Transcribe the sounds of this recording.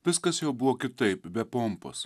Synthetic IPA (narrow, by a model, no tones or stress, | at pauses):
ʋʲɪskɐsjɛʊbʊʋoːkʲɪt̪ɐɪpbʲɛpompɐ̰s